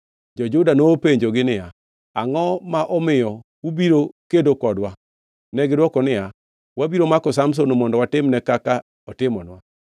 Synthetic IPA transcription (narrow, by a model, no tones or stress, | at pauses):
d͡ʒɔd͡ʒʊdanopeɲd͡ʒoɡɪnɪja | aŋɔmaʔɔmɪjɔ | ubiɾokedokɔdwa | nɛɡɪdwɔkɔnɪja | wabiɾomakɔsams̬onomɔndɔwatɪmnɛkaka | ɔtɪmɔnwa